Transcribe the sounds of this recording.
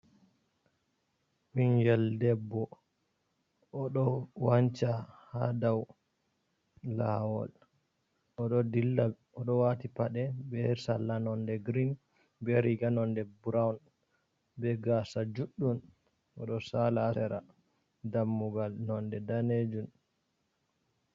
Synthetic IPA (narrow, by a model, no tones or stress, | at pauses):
winɡɛldɛbːɔ | ɔɗɔwaɲt͡ʃaha̰daw | la̰wɔ̰l | ɔɗɔdilːa | ɔɗɔwatipaɗɛbɛsalanɔndɛɡɾin | bɛɾiɡanɔndɛbuɾawn | bɛɡasad͡ʒuɗːun | ʔɔɗɔsalasɛɾa̰ | damːuɡalnɔndɛdaned͡ʒun